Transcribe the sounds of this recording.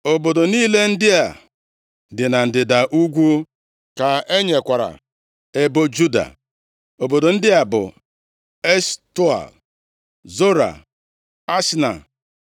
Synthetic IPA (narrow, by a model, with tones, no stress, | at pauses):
o˨bo˨do˨niː˦le˦n̩˦dɪ˦a˨ | dɪ˨na˨n̩˨dɪ˨da˨ʔu˦ɡʷu˦ | ka˨e˦ɲe˨kʷa˨ɾa̰˨ | e˦bo˦d͡ʒu˦da̰˨ | o˨bo˨do˨n̩˦dɪ˦a˨bʊ̰˨ | e˦sto˦a̰˨l | zo˦ɾa̰˨ | a˦sna̰˨